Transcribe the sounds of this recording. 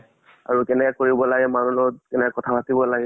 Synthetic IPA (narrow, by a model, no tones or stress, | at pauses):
a̰ɹutɛnɛkɛkoɹibɔlaɡɛmanulɔkɛnɛkɛkɔtʰabatibɔlaɡɛ